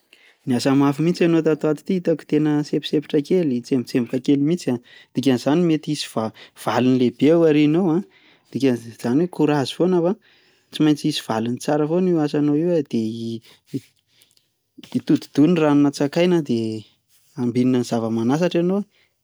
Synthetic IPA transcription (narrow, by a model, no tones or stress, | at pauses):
niasamafimit͡sianot̪at̪oat̪i̥t̪iit̪aku̥t̪enəsepi̥sepi̥ʈ͡ʂakelit͡semit͡sembikakelimit͡siad̪̥ik̬ʲanzanimet̪iisi̥vav̥alunilebewaɾinowã | d̪̥ikʲaz̥anwekuɾazifonafa | t͡simajt͡siisi̥v̥alunit͡saɾəfoniwasanoiwəd̪̥e | it̪ud̪u̥d̪̥unranunət͡sakajnad̪e | ambininəniz̥avəmanas̬aʈ͡ʂano